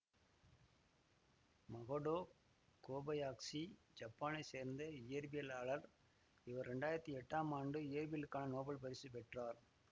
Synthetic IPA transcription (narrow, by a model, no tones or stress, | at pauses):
mɐɣoɽoː | koːbɐjaːksi | d͡ʒɐpːaːnɐɪseːɾnd̪ɐɪjɐɾbɪjɐlaːɭɐɾ | ɪʋɐɾɾɛɳɖaːjɪɾɐt̪ːiɛʈːaːmaːɳɖɯɪjɐɾbɪjɐlɯkːaːnɐnoːbɐɭpɐɾɪsɯpɛʈraːɾ